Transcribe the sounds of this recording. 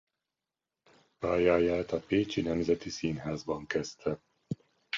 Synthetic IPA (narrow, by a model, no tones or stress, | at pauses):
paːjaːjaːt̪ɒpeːt͡ʃinɛmzɛt̪isiːnɦaːzbɒŋkɛst̪ʰɛ